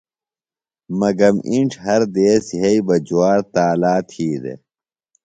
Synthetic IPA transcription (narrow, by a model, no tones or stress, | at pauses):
mɐɡɐmiɳʈ͡ʂʰɦɐɾd̪eːsiɦɐibɐd͡ʑuaːɾt̪aːlaːt̪ʰhiːd̪ḛ